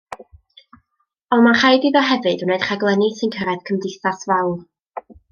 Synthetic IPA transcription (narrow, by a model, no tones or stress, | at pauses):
ɔnmaχajdiðɔɦɛvɨdənejd̥χaɡlˠɛnisɨnkʰəɾɛð̥kʰəmdɪθasvɛwl